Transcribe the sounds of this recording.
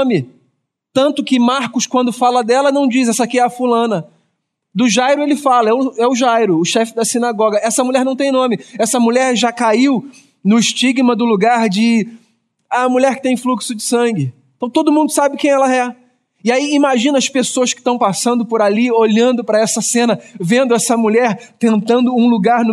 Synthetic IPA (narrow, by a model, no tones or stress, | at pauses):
mɪ | t̪ɐ̃nt̪ʊkɪmaɾkʊskwɐ̃nd̪ʊfalɐd̪ɛlɐnɐ̃w̃d͡ʒizɛsɐkiɛɐfulɐ̃nɐ | d̪ʊʒajɾʊelɪfalɐɛʊɛʊʒajɾʊːʃɛfɪd̪ɐsinaɡɔɡɐɛsɐmulʎɛɾnɐ̃w̃t̪ẽj̃nõmɪɛsɐmuʎɛɾʒakaiw | nʊɪʃt͡ʃiɡmɐd̪ʊluɡaɾd͡ʒɪ | amuʎɛɾkɪ̥t̪ẽj̃fluksʊd͡ʒɪsɐ̃ŋɡɪ̃ | t̪ɐ̃w̃t̪od̪ʊmũnd̪ʊsabɪkẽj̃ɛlɐɛ | ɪaiimaʒĩnɐɐspesoɐskɪ̥t̪ɐ̃w̃pasɐ̃nd̪ʊpoɾalioʎɐ̃nd̪ʊpɾɐɛsɐsẽnɐvẽnd̪ʊɛsɐmuʎɛɾt̪ẽnt̪ɐ̃nd̪ʊũluɡaɾnʊ